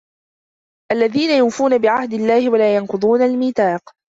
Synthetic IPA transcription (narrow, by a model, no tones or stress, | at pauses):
ʔalːaðiːnajʊːfuːnabɪʕahd̪ɪlːaːhɪwalaːjɑnqʊd̪ˤuːnalmiːt̪ɑːq